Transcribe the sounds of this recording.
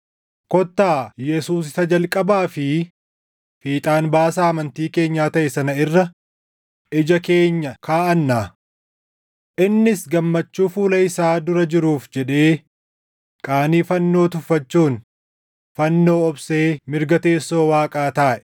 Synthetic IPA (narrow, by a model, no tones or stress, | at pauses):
kɔt̪ːaːjɛsuːs̬ɪsɐd͡ʒɐlkʼɐbaːfɪ | fiːt̪ʼaːnbaːsaːɐmɐnt̪iːke̞ːɲːaːt̪ɐʔɛsɐnɐɪrːɐ | ʔɪd͡ʒɐke̞ːɲːɐkʰaːʔɐnːaː | ʔɪnːɪsɡɐmːɐt͡ʃːuːfuːlɐɪsaːd̪ʊɾɐd͡ʒɪɾuːfd͡ʒɛᶑe̞ː | kʼaːniːfɐnːo̞ːt̪ʊfːɐt͡ʃːuːn | fɐnːo̞ːɔbse̞ːmɪɾɡɐt̪e̞ːsːo̞ːwaːkʼaːt̪aːʔɛ